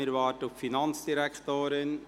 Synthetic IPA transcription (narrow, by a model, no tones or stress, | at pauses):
ɪɾvɑːɾtʊffinɑnt͡sd̥iɾɛktoːɾɪn